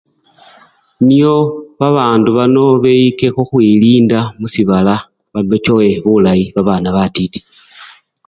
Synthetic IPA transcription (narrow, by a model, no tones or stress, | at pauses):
nioβaβaːnduβano̞βeike̞xoxwiliːndamusiβala | βanot͡ʃoweβulajiβaβaːnaβatiti̥